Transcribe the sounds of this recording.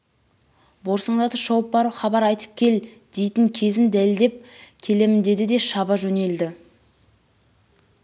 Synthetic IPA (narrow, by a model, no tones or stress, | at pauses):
bo̞ɾsəɴd̪ɑt̪əʒɑwəp̚bɑɾuχɑbɑɾɑjt̪ə̥p̚kʲʰe̞l | d̪̥e̞jt̪ɪŋkʲʰe̞zɪnd̪æld̪e̞p̚kʲʰe̞le̞mɪnd̪e̞d̪ɪd̪e̞ʃɑbɑʒɵne̞ld̪ɪ